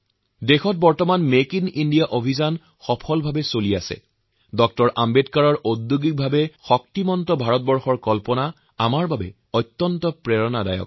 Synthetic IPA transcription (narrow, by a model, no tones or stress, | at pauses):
dexɔt̚bɔɹtɔmanmekinindijaʔobʱizan | xɔpʰɔlbʱabɛsolijasɛ̰ | dɔk̚tɔɹʔambetkaɹɔɹodːuɡik̚bʱabɛxɔk̚timɔntɔbʱaɹɔt̚bɔɹxɔɹkɔlpɔna | a̰maɹbabɛ̰ | ɔjtːɔntɔpɹeɹɔnada̰jɔ̰k̚